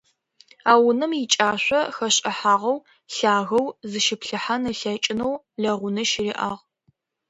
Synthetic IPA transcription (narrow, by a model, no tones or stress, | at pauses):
aːwʊnɐmjɪt͡ʃʼaːɕʷɐxɐɕʼɐħaːʁɐw | ɬaːɣɐwzɨʃɪpɬɨħanɨɬɐt͡ʃʼɪnɐw | ɮɐʁʷʊnɐʃɪriːʔaːʁ